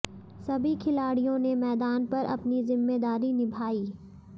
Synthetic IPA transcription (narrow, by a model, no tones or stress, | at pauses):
sɐbʱikʰɪlaːɽijõnemɛːd̪aːnpɐɾʔɐ̰pnizɪmːed̪aːɾinɪbʱaːiː